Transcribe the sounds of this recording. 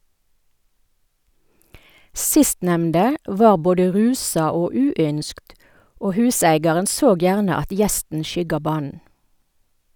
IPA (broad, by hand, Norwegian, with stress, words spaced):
ˈsɪstnɛmndə ˈʋɑːʁ ˈboːdə ˈʁʉːsɑ ˈoː ˈʉːˌʏnskt ˈoː ˈhʉːsæɪɡɑʁən ˈsoːɡ ˈjæːʁnə ˈɑt ˈjɛstn ˈʃʏɡɑ ˈbɑːn̩